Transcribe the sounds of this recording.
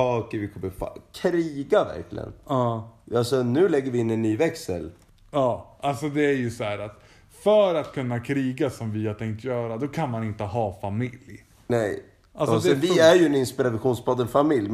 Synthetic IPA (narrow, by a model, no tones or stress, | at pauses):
ɑːkəvɪkʰɔmːəfa̰kʰɾiːɡavæ̰ɾklɪ̰ɡə̰nɑːalsɔnʉ̟ːlɛɡːəɾvɪɪnːɛnːyːvɛksə̰l | ɑːʔalsɔd̪ɛæɾjɵsɔhæːɾat̪ | fœɾat̪kʰɵnːakʰɾiːɡasɔmvɪhaɾt̪ʰɛŋk̚t̪jœːɾad̪ɔkʰanmanɪnt̪əɦɑːfamɪlj | nɛj | ʔalsɔsɛvɪæɾjɵɛnɪnspɪɾad̪ɧuːnspʰɔd̪ːənfamɪlj